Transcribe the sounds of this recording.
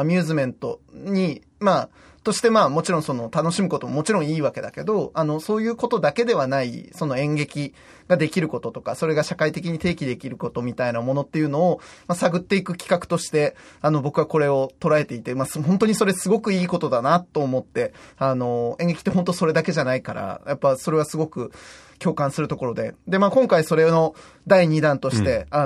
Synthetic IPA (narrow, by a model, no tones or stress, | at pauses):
mʲɨːzɨmẽ̞nt̪o̞̰ɲ̟i | ma | t̪o̞ɕi̥t̪e̞maːmo̞t͡ɕiɾõ̞ɰ̃so̞no̞t̪ano̞ɕimɯ̟ko̞t̪o̞momo̞t͡ɕiɾõ̞ɰ̃iːβake̞d̪a̰ke̞d̪o̞anoso̞ːjɯ̟ːko̞t̪o̞d̪ake̞d̪e̞β̞anaḭso̞no̞ẽ̞ŋɡe̞kʲi | ɡad̪e̞kʲiɾɯ̟ko̞t̪o̞t̪okaso̞ɾe̞ɡaɕakait̪e̞kʲiɲ̟it̪e̞ːkʲid̪e̞kʲiɾɯ̟ko̞t̪o̞mʲit̪ainamo̞no̞t̪ːe̞jɯ̟no̞ːmasaɡɯ̟t̪ːe̞ikɯ̟kʲi̥kakɯ̟̥t̪o̞ɕi̥t̪e̞ano̞bo̞kɯβako̞ɾe̞o̞t̪o̞ɾae̞t̪e̞it̪e̞mashõ̞nt̪oɲ̟iso̞ɾe̞sɨɡo̞kɯ̟iːko̞t̪o̞d̪anat̪ːo̞ːmo̞t̪ːe̞ano̞ẽŋɡe̞kʲi̥t̪ːeɦont̪o̞so̞ɾe̞d̪ake̞ʑanaikaɾa̰japːaso̞ɾe̞β̞asɨɡo̞kɯ̟ | kʲo̞ːkãsɨɾɯ̟t̪o̞ko̞ɾo̞d̪e̞̰d̪e̞makõŋkaiso̞ɾe̞no̞ | d̪aiɲ̟id̪ãnt̪o̞ɕi̥t̪e̞a